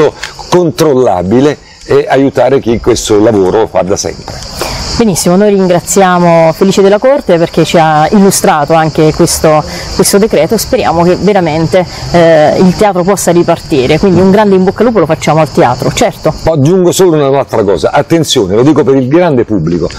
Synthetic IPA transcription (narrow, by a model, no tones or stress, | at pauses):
okont̪ɾolːa̰ːbile | ɛʔajut̪aːɾek̟ikwest̪olavoːɾoka̰d̪asɛ̰mpɾebenisːimonoːjriŋɡɾat̪sːjaːmofeliːt͡ʃed̪elːakort̪eperk̟et͡ʃiailːust̪ɾaːt̪oaŋk̟ekwest̪o | kwest̪od̪ekɾɛːt̪ospeɾja̰ːmok̟eveɾament̪e | ilt̪eaːt̪ɾopɔsːaɾipart̪iːɾekwind̪iuŋɡɾand̪eimbokːaluːpolofat͡ʃːaːmoalt̪ea̰ːt̪ɾot͡ʃɛrt̪oɔd͡ʒːuŋɡosoːlounanalt̪ɾakɔ̰ːza̰ʔat̪ːent̪sjoːnelod̪iːkopeɾilɡɾand̪epubːliko